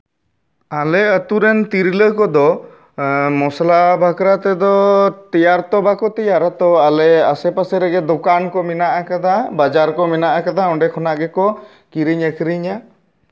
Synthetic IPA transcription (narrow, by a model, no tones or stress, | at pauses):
alɛət̪uɾɛnt̪iɾləɦkɔd̪ɔ | mɔslabʱakɾat̪ɛd̪ɔt̪ijaɾt̪ɔbakɔt̪ijaɾat̪ɔalɛasɛpasɛɾɛɡɛd̪ɔkankɔmɛnaʔakad̪abad͡ʒaɾkɔmɛnaʔakad̪aɔ̃ɳɖɛkʰɔnaʔɡɛkɔ | kiɾiɲəkʰɾiɲa